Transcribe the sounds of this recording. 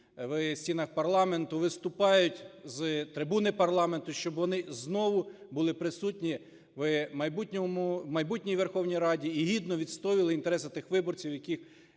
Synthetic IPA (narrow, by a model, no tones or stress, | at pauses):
ʋsʲtʲinɐxpɐrlˠɑme̞nt̪ʊʋɪst̪ʊpɑjʊtʲzt̪ɾɪbunɪpɐrlˠɑment̪ʊʃt͡ʃɔbʋɔnɪznɔʋʊ | bʊlˠɪpɾɪsutʲnʲi | ʋmɐjbutʲnʲɔmʊmɐjbutʲnʲijʋexɔwnʲijɾɑdʲiːɦʲid̪nɔʋʲid̪st̪ɔʋilˠɪint̪eɾɛsɐt̪ɪxʋɪbɔrt͡sʲiwjɐkʲix